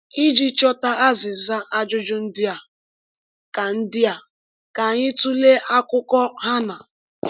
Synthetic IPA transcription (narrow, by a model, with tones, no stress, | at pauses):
i˦d͡ʒi˦t͡ʃɔ˦ta˦a˦zɪ˨za˦ʔa˦d͡ʒʊ˦d͡ʒʊ˦n̩˦dɪ˦a˨ | ka˨n̩˦dɪ˦a˨ | ka˨ɲɪ˦tu˦le˦ʔa˦kʊ˦kɔ˦ɦa˦na˨